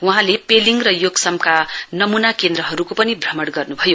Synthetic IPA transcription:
wuɦãlepeliŋrʌjoɡsʌmkanʌmunakend̪ɾʌɦʌɾukopʌnibʱrʌmʌɽɡʌrnubʱʌjo

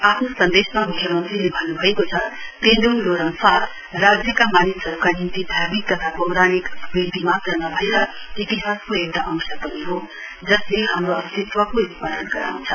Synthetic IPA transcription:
apʰnosʌnd̪esmamukʰjʌmʌnt̪rilebʱʌnːubʱʌekot͡sʰʌt̪endonloɾʌnsat̪ʰ | rad͡zjʌkamanisʌɾukanint̪id̪ʱjabik̚t̪ʌt̪ʰapʌwɾañikbikt̪imat̪rʌnʌbʱʌeɾʌ | it̪iɦaskoek̚t̪aʔʌŋsʌpʌniɦo | d͡zʌst̪eiɦamɾoʌst̪it̪wʌkoispaɾʌnɡʌɾa̰ũnt͡sʰʌ

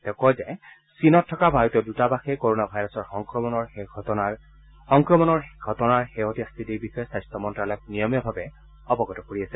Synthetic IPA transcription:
tɛʊkɔjzɛ | sinɔtʰːɔkabʱaɹutɔdutabaxɛkoɹonabʱajɹɔsɔɹxɔŋkɹɔmɔnɔɹɡa | xɔŋkɹɔmɔnɔɹɡʱɔtɔnaɹxeɦotiastʰitiɹbixɔjɔsajstɔmɔntɹalɔjɔk̚nijɔmijɔbʱabɛ | ɔbɔɡɔtɔkoɹiasɛ

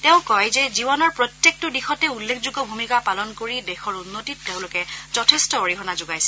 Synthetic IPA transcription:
teʊ̃kɔjzɛzibɔnɔɹpɹɔtjek̚tʊdixɔtɛulːekʰzuɡɔbʱumikapalɔnkoɹidɛxɔɹunːotitːeʊ̃lʊkɛz̥ɔtʰestɔoɹiɦɔnazʊɡajsɛ

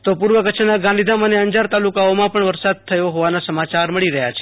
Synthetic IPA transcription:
t̪opuɾʋəkət͡ʃʰnaɡãnd̪id̪aməneəɲd͡ʒaɾt̪alukaomãpəɳʋəɾsad̪̚t̪ʰəjoɦɔʋanasəmat͡ʃaɾməɭiɾəɦja̰t͡ʃʰe̥

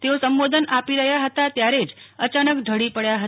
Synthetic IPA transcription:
t̪eosəmʋod̪ʱənapiɾəɦjaɦət̪at̪jaɾed͡ʒət͡ʃanəkɖʱəɽipəɭjaɦə

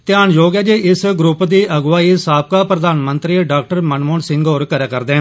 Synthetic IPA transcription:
t̪ɪjaːnjoːɡɛːd͡ʒeːʔɪsɡɾʊpd̪iːʔəɡʋaːiːsaːb̚kaːpɾəd̪aːnmənt̪ɾiːɖaːk̚ʈəɾmənmoːɳsɪ̃ŋɡoːɾkəɾaːkəɾd̪eː

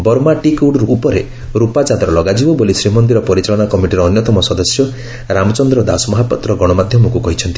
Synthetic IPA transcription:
bɔɾmaʈikuɖɾuːpɔɾe | ɾupat͡ʃad̪ɾɔlɔɡad͡ʒibɔbolisɾimɔnd̪iɾɔpɔɾit͡ʃaɭɔɽakɔmiʈiɾɔːnjɔt̪ɔmɔsɔd̪ɔsjɔ | ɾamɔt͡ʃɔnd̪ɾɔd̪asmɔɦapɔt̪ːɾɔɡɔɽ̃ɔmad̪ʱjɔmɔkukɔɦit͡ʃʰɔnt̪i

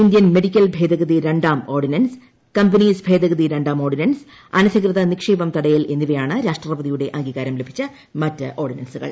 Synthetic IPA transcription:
ind̪jɐnme̞ɽikʲːɐlbʱe̞ːd̪ɐɣɐðiɾeɳɖaːmo̞ːrɖinɐns | kɐmbɐniːsbʱe̞ːd̪ɐɣɐðiɾɐɳɖaːmo̞ːrɖinɐns | ɐnɐsɐkrɨðɐnikʂiːbɐmt̪ɐɽɐjile̞nːiʋɐjaːɳɨɾaːʂʈrrɐbɐðijuɽe̞ʔɐŋɡiːɣaːɾɐmlebʱit͡ɕːɐ | mɐtːɨʔoːrɖinɐnsuɣɐ̰ɭ

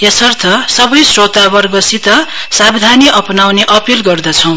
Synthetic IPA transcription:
jesʌrt̪ʰʌsʌbʌjsrot̪abʌrɡʌsit̪ʌ | sabd̪ʱaniʔʌpnawneʔʌpilɡʌrd̪ʌt͡sʰʌw̃

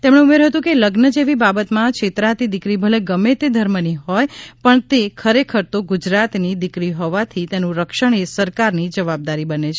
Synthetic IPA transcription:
t̪emɳ̃eumeɾɦət̪ũkeləɡnəd͡ʒeʋibabət̪mãkʃʰet̪ɾat̪id̪ɪkɾibʱəleɡəmet̪ed̪ʱəɾməniɦɔjpəɳt̪ekʰəɾekʰəɾt̪oɡud͡ʒɾat̪nid̪ɪkɾiɦoʋat̪ʰit̪enũɾəkʃəɳ̃esəɾkaɾnid͡ʒəʋab̚d̪aɾibənet͡ʃʰe

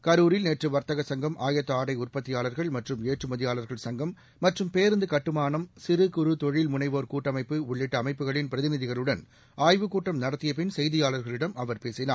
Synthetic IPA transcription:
kɐɾuːɾɪlneːʈrɯʋɐɾt̪ɐɣɐsɐŋɡɐmʔaːjɐt̪ːɐaːɽɐɪʊrpɐt̪ːɪjaːlɐɾɣɐɭmɐʈrɯmeːʈrɯmɐðɪjaːlɐɾɣɐɭsɐŋɡɐmː | ɐʈrɯmpeːɾɯnd̪ɯkɐʈːɯmaːnɐmsɪɾɯkʊɾɯt̪ɔɻɪlmʊnɐɪʋoːɾkuːʈːɐmɐɪpːɯʊɭːɪʈːɐːmɐɪpːɯɣɐɭɪnpɪɾɐðɪnɪðɪɣɐɭɯɽɐn | aːjʋɯkuːʈːɐmnɐɽɐt̪ːɪjɐp̬ɪnsɛjðɪjaːɭɐɾɣɐɭɪɽɐmɐʋɐɾpeːsɪnaː

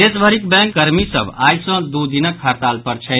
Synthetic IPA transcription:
esbʱəɾikbɛ̃ŋkːəɾmisə̰bajsə̃d̪ud̪inəkhaɾt̪alpəɾt͡ʃʰɛ

